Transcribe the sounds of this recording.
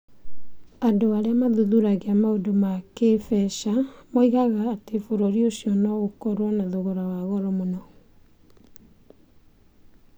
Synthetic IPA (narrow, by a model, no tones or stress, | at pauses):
andoaɾeamaðuðuɾaɣeamaodomakefɛʃamoiɣaɣaːtefoɾoɾioɕiɔnɔɣokɔɾwɔnaðoɣoɾawaɣɔɾɔmonɔ